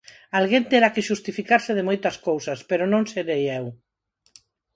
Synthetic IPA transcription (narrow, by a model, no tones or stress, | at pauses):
alɣent̪eɾakeʃust̪ifikaɾseð̞emojt̪ɐskowsaspeɾonõŋseɾejɛw